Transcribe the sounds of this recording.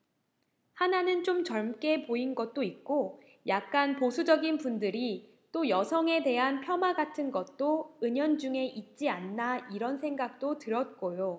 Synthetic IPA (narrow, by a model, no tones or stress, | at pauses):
hananɯnt͡ɕ͈omt͡ɕʌɭmk͈e̞poinɡʌt̚t͈oit̚k͈o | jak̚k͈anposʰud͡ʑʌɡinpundɯɾi | t͈ojʌsʰʌŋe̞de̞ɦanpʰjʌmaɡatʰɯnɡʌt̚t͈oɯɲʌnd͡ʑuŋe̞ʔit̚t͡ɕ͈ianːaiɾʌnsʰe̞ŋɡak̚t͈otɯɾʌt̚k͈ojo